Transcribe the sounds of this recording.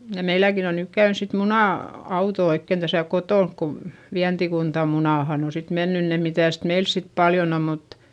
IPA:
jɑ meilækin on nyk kæyns sit munɑˑ ɑuto oikːen d̥æsæˑ kotoˑnk ko ʋiæntikuntɑ munɑˑhɑn o sit menːyn ne mitæˑst meils sit pɑljon om mut

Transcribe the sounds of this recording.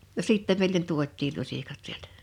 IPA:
no siˑtːem meˑilen tuotˑiːl lusʲikɑt sieltæ̥

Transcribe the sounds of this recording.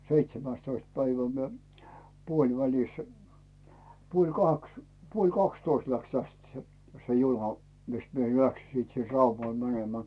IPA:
seitsemæˑstoist pæiʋæ mie puolʲʋælis puolʲ kɑks puolʲ kɑkstoist læks tæst se se junɑ mis mie læksi sit sin rɑumɑl mænemæː

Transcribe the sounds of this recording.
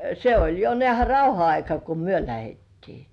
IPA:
se olʲ jo nĕæˑhæ rɑuhɑ ɑikɑ ku myø læhetːiː

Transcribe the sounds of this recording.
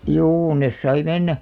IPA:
juː nes sɑi menːæ

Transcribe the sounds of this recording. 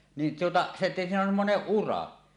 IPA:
nin tuotɑ se siːnæ on semːoneʔ ʔurɑ

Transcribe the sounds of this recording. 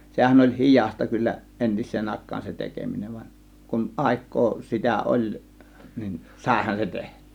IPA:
sehæn olʲ hi̞jɑˑstɑ kylːæ entisˑeːn ɑˑe̝kˑɑːn se tekeminen ʋɑnʲ kun ʔɑˑe̝kˑoː sitæ olʲ nin sɑˑe̝hɑn se tehtˑẙː

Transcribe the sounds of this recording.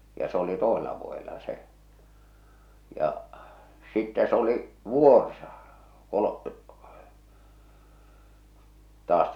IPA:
jɑ s oli toˑeselɑ ʋuojelɑ se jɑ sitːæ s oli ʋuˑorsɑ kolo tɑːs

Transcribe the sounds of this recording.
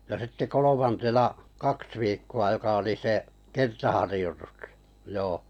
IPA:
jɑ sitːe kolomɑntenɑ kɑks ʋiːkːuɑ jokɑ oli se kertɑhɑrĭjotustɑ̥ joː

